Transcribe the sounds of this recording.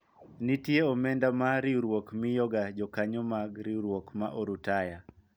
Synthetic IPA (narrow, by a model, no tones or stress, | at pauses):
nɪtjeɔmɛndamaɾiɾwokmɪjɔɡad͡ʒɔkaɲɔmaɡɾiɾwokmaʔoɾutaja